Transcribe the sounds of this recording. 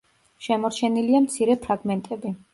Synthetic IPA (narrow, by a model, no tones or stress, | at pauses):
ʃɛmɔɾt͡ʃʰɛniliamt̪sʰiɾɛpʰɾaɡmɛnt̪ʼɛbi